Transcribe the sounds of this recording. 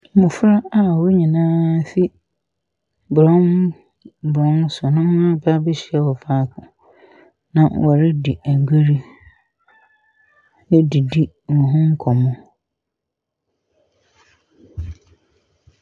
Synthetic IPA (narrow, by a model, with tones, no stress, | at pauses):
mʊ̃˨fɾa˦a˦˨wo˦ɲĩ˨nãː˦fi˦ | bɾɔ̃˦n | bɾɔ̃˦n˦sʊ˨nʊ̃˦m˦ã˦ba˦bɪ˦ɕɪ˨˦ɛ˦wɔ˨faː˦kʰʊ̰̃˨ | nã˨wʔɔ˨ɾɪ˦di˨æ˨ŋ˨ɡʷe˦ɾi˦ | nɪ˦di˨di˦˨ʊ̃˨ɦʊ̃˦ŋ̩˦kʰɔ˨mʊ̃˦